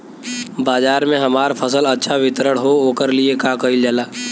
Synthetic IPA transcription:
baːd͡ʒaːɾmẽɦɐmaːɾpʰəsəlɐtːʃʰaʋɪt̪ɾəɽ̃ɦooːkəɾliekãkəid͡ʒalaː

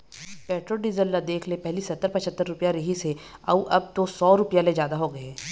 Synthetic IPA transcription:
pɛːʈɾoːɖizəlːad̪eːkʰlepɛɦlisɐt̪ːəɾpɐt͡ʃʰət̪ːəɾːʊpjaɾiɦise | ɐ̰uʔɐb̚t̪osɔːɾʊpjaled͡ʒjaːd̪aɦoɡɐeː

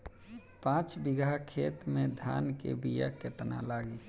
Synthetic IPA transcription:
pãːt͡ʃbɪɡʱakʰeːt̪mẽd̪ʱa̰ːnkḛbija̰ket̪na̰laːɡi

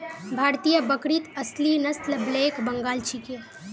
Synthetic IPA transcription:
bʱaːɾt̪ijəbəkɾit̪ɐslinɐst̪lbleːkbɐŋɡaːlt͡ʃʰike

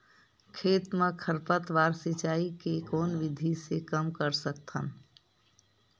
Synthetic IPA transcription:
kʰeːt̪mə̃kʰəɾpət̪ʋaːɾsɪt͡ʃaːikekoːnʋɪd̪ʱisekəmkəɾsək̚t̪ʰən

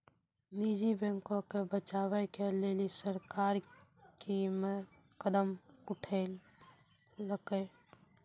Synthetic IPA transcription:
nid͡ʒibɛ̃ŋkõkebət͡ʃawɛkelelisəɾkaɾkime | kəd̪əmʊʈʰel | ləke

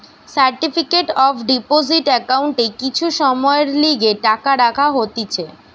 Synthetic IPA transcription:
saɾʈifikeʈɔfʰɖipoziʈɛkauɳʈekit͡ɕʰuʃɔmɔeɾliɡeʈakaɾakʰaɦot̪it͡ɕʰe

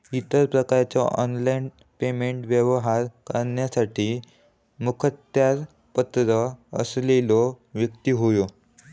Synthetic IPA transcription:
it̪əɾpɾəkaɾt͡sɔʔɔnlain | pemeɳʈʋjəʋɦaɾkəɾɳjasaʈʰiː | mukʰət̪jaɾ | pət̪ɾəə̰slelo | ʋjəkt̪iːɦojo

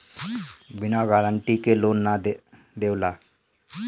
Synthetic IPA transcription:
binaɡaləɳʈikelonːa | d̪ewla

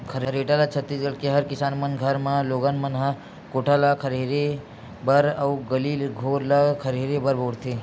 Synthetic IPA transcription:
kʰəɾɐɾeːʈalat͡ʃʰət̪ːisɡəɽkeɦɐɾkɪsaːnmɐnɡʱɐɾmãloːɡanmɐnɦa | koːʈʰalakʰəɾeːɾe | bɐɾɐwɡɐliːlɡʱoːɾlakʰɐɾeːɾebəɾboːɽt̪ʰe

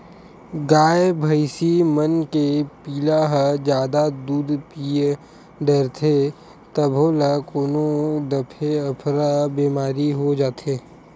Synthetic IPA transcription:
ɡaːebʱəɪsimənkepiːlaɦəd͡ʒjaːd̪ad̪uːd̪pije | ɖəɾt̪ʰe | t̪ɐbʱoːlakoːnod̪ɐpʰeɐpʰɾabeːmaːɾiɦod͡ʒaːt̪ʰeː

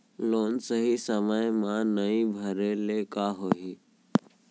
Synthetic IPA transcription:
loːnsəɦisəməjmãnəĩbʱəɾelekaɦoːɦi

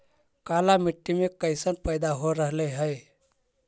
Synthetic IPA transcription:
kalamiʈːimekəɪsənpəjd̪aɦoɾəɦləjɦəj

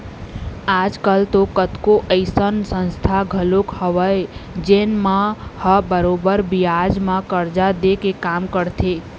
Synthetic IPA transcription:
ad͡ʒkəlt̪okət̪koʔəɪsənsə̃nst̪ʰaɡʱəlokhəʋəed͡ʒenmãhəbəɾobəɾbiad͡ʒmãkəɾd͡ʒad̪ekekamkəɾt̪ʰe

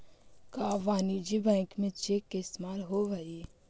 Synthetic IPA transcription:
kaːʋaːnid͡ʒibɛ̃ːŋkmẽt͡ʃekːeɪst̪maːlɦoʋai

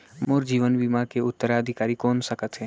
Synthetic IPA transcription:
moːɾd͡ʒiːʋənbimakeʊt̪ːəɾaəd̪ʱɪkaːɾikɔːnsəkət̪ɦɛ̃ː

